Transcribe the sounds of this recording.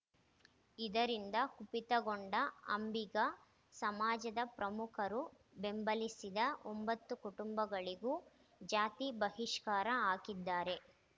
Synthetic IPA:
id̪ɐɾind̪ɐkupit̪ɐɡoɳɖɐɐ̰mbiɡɐ | sɐmaːd͡ʒɐd̪ɐpɾɐmukʰɐɾu | be̞mbɐlisid̪ɐombɐt̪ːukuʈumbɐɡɐɭiɡuː | d͡ʒaːt̪ibɐɦiʂkaːɾɐaːkid̪ːaːɾe̞

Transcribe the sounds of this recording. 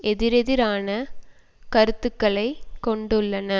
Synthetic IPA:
ɛðɪɾɛðɪɾaːnɐ | kɐɾɯt̪ːɯkːɐɭɐɪkɔɳɖɯɭːɐnɐ

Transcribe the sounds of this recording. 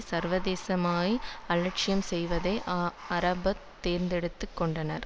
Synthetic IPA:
sɐɾʋɐðeːsɐmaːɣiɐlɐʈ̚t͡ʃɪjɐmsɛjʋɐðɐɪʔɐɾɐbɐt̪ːeːɾnd̪ɛɽɯt̪ːɯkːɔɳɖɐnɐɾ

